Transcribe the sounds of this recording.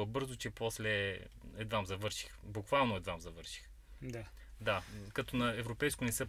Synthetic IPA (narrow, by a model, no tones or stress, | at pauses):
ɐbɤɾzot͡ʃɛpɔslɛ | ɛd̪vamzɐvɤɾʃi̥xbukvalˠnoɛd̪vamzɐvɤɾʃi̥x | d̪akɐt̪onɐɛvɾopɛjskonɛsə